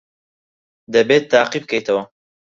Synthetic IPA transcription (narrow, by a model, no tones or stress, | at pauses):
d̪ɐbeːt̪ːaːqib̚kʰɐjt̪ʰɐwɐ